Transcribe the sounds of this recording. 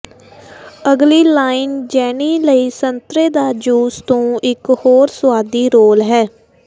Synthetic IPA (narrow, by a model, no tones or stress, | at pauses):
əɡliːlaːɪnd͡ʒɛːniːləiːsənt̪ɾeːd̪aːd͡ʒuːst̪õːɪkhoːɾsʊaːd̪iːɾoːlɦɛː